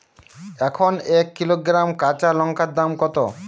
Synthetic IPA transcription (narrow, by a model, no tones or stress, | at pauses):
ɛkʰonekːiloɡɾamkat͡ɕalɔŋkʰad̪ːamkɔt̪o